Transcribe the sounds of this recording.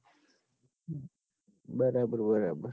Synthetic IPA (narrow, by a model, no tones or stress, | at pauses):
baɾaːbəɾbaɾaːbəɾ